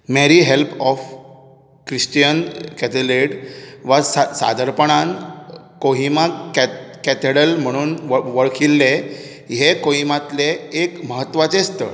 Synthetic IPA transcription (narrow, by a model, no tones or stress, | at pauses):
meɾiɦelpɔf | kɾisʈijənkɛt̪eleɽʋasasa̰d̪ʱəɾpəɳ̃an | koɦimakkɛt̪eɽəlm̤əɽ̃uːnʋʋəɭkʰilːe | ɦekoɦimat̪leːkməɦət̪ːʋat͡sest̪ə̰